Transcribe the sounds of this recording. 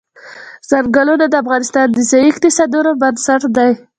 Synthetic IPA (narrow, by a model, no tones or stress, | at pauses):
z̥aɾɡəlunad̪əafɣɑnɪst̪ɑnd̪əzajikt̪ɪsɑd̪unobansaʈd̪aj